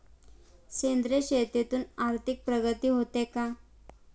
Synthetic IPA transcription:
ɕend̪ɾeɕet̪et̪uːnaɾt̪ʰik̚pɾəɡət̪iːɦot̪eka

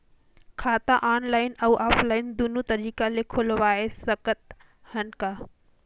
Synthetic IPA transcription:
kʰaːt̪aʔaːnlaːɪnɐːʔaːflaːɪnd̪unut̪ɐɾiːkalekʰolʋaːesɐkət̪̚ | hɐnkaː

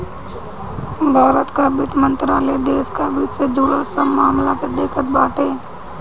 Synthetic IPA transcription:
bʱaːɾət̪kabiːt̪mə̃nt̪ɾaːled̪eːskabiːt͡ʃsed͡ʒuːɽəsəbmaːmlaked̪eːkʰət̪̚baːʈʰeː

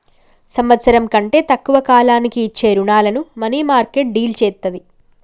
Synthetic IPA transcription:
sɐmʋɐt̪sɐɾɐmkɐɳʈe̞ːt̪ɐkːuʋɐkaːlaːnikiːt͡ʃːe̞ːɾuɳaːlɐnumɐniːmaːɾkeʈ̚ɖiːlt͡ʃɛːt̪ːɐd̪i

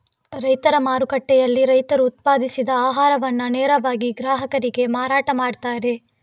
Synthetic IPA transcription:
ɾɐjt̪ɐɾɐmaːɾukɐʈːɛjɐlːiɾɐjt̪ɐɾuːt̪̚paːd̪isid̪ɐaːɦaːɾɐʋɐnːuneːɾɐʋaːɡiɡɾaːɦɐkɐɾiɡe̞maːɾaːʈɐmaːɖt̪aːɾe̞

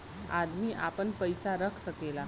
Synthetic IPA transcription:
a̰d̪miːʔa̰pəɳpəjsaɾəkʰsəkela

